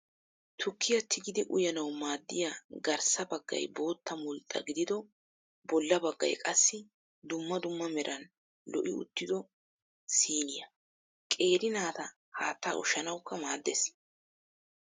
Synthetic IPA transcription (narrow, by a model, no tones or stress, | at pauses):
t̪ʰʊkːɪjɐt̪ʰːɪɡɪd̪ɪʔʊjɐnɐwmaːd̪ːɪjaɡɐɾsɐbɐɡːɐ̰jbo̞ːt̪ːɐmʊlt̪ʼːɐ̰ɡɪd̪ɪd̪ɔ | bɔlːɐbɐɡːɐ̰jkʼɐsːɪ | d̪ʊmːɐd̪ʊmːɐmɛɾʔɐn | lɔ̰ʔɪ̰ʊ̰t̪ːɪd̪ɔ | siːnɪjɐ | kʼe̞ːɾɪnaːt̪ɐ | haːt̪ːa̰ːʔʊ̰ʃɐnɐwkːɐmaːd̪ːḛs